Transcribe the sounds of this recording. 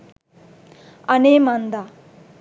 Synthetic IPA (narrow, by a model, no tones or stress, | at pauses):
ɐneːmɐnd̪a